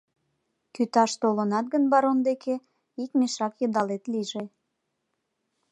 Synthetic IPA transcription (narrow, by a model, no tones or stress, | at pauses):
kyt̪ɑʃt̪olənɑt̪̚ɡənbɑɾond̪ekʰe | ikmeʃɑkjəd̪ɑlet̪liʒe